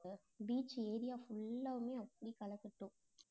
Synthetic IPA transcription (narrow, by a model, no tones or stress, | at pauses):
biːt͡ʃːeːðɪjaːfʊɭːɐʋɐmeːɐpːɐɽikɐlɐkːɪʈːũ